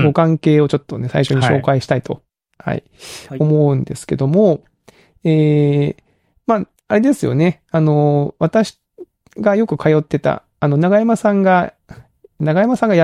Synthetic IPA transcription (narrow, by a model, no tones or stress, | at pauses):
ɡo̞kãŋke̞ːo̞t͡ɕo̞t̪ːo̞ne̞sa̰iɕo̞ɲ̟iɕo̞̰ːkaiɕi̥t̪ait̪o̞̰ | ha̰ḭ | omo̞ɯ̟̃nd̪e̞sɨ̥ke̞d̪o̞mo̞ | eː | maː | aɾe̞d̪e̞sɨjo̞̰ne̞ | ano̞βat̪aɕi̥ | ɡajo̞kɯ̟kʰajo̞t̪ːe̞t̪a̰ːno̞naɡajamasãŋɡa | naɡajamasãŋɡaj